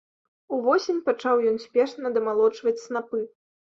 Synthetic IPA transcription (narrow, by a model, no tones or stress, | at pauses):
uvɔsʲenʲpat͡ʂawjɔnsʲpʲɛʂnɐd̪ɐmalˠɔt͡ʂvɐt͡sʲsnapɨ